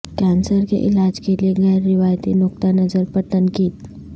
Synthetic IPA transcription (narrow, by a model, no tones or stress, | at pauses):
kãnsəɾkḛʔɪlad͡ʒkelieɡəjɾːɪʋajt̪inʊkt̪anəzəɾpəɾt̪ənkiːt̪